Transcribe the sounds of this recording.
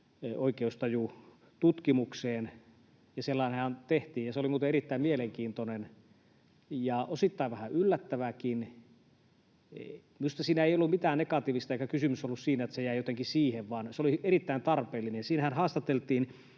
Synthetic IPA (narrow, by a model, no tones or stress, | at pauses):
oikeust̪ɑju | t̪ut̪kimukseːn | jɑselːɑˑinɑnt̪eht̪iːjɑseolimuːt̪eerit̪ːæimmieleŋkiːnt̪onen | jɑʔosit̪ːɑiʋæhæylːæt̪ːæʋækin | must̪ɑsiːnæeijolːummit̪æːnnekɑt̪iːʋist̪ɑeikækysymysolːussiːnæet̪sejæijot̪eŋkisiːheʋʋɑnseolieɾit̪ːæint̪ɑrpeːlːinensiːnhænhɑːst̪ɑt̪elt̪ˑiːn